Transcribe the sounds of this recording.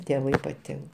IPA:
tʲeːˈʋɐɪ pɐˈtʲɪŋk

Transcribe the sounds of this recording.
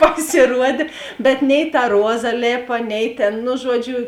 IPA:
pɐsʲeːˈruɔdʲeː bʲɛt nʲɛɪ tɐ ˈruɔzɐ ˈlʲeːpɐ ˈnʲɛɪ tʲeːn nʊ ˈʒuɔˌd͡ʒʲʊ

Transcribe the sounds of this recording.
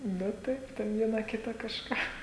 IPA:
ˈnʊ ˈtɐɪp tʲɛn ˈʋʲiɛnɐ ˈkʲɪtɐ kɐʃˈkɑː

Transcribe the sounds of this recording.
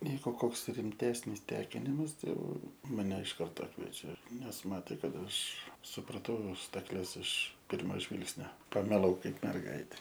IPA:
ˈʋʲiːkoː ˈkoːks rʲɪmʲˈtʲæːsʲnʲɪs ˈtʲæːkʲɪnʲɪmɐs ˈtɐɪ ˈjɛʊ mɐˈnʲɛ ɪʃ ˈkɐrtoː ˈkʋʲiɛt͡ʃʲɛ nʲɛs ˈmɑːtʲeː ˈkɐt ˈɐʃ sʊprɐˈtɐʊ stɐkˈlʲɛs ɪʃ ˈpʲɪrmoː ˈʒʲʋʲɪlˠksʲnʲoː pɐmʲɪˈlˠɐʊ ˈkɐɪp mʲɛrˈɡɐɪtʲɛ

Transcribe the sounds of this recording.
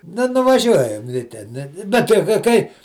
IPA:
ˈnʊ nʊʋɐˈʒʲuɔjɛm lʲɪ ˈtʲɛn ˈbʲɛt tɐɪ kɐɪ ˈkɐɪ

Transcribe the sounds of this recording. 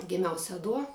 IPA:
ɡʲɪˈmʲɛʊ sʲɛˈduɔ

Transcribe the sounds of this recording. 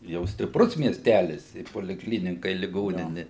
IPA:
jɛʊ sʲtʲɪpˈrʊs mʲiɛsʲˈtʲælʲɪs ɪ poːlʲɪkˈlʲiːnʲɪkɐ ɪ lʲɪˈɡoːnʲɪnʲɪ

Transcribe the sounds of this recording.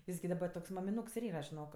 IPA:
ˈjɪs ɡʲɪ dɐˈbɐ toːks mɐmʲɪˈnuːks ɪr ˈiːrɐ ʒʲɪˈnoːk

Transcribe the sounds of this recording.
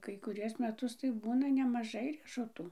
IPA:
kɐɪ kʊˈrʲuɔs mʲɛˈtʊs tɐɪ ˈbuːnɐ nʲɛmɐˈʒɐɪ rʲiɛʃʊˈtuː

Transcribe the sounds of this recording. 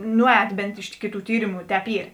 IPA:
ˈnʊˌɛːt ˈbʲɛnt ˈɪʃ kʲɪˌtuː ˈtʲiːrʲɪmʊ ˈtʲɛːp ˈiːr

